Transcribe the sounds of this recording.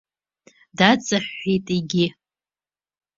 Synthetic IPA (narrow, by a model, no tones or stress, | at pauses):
dat͡sʼaħːijtʼiɡʲɪ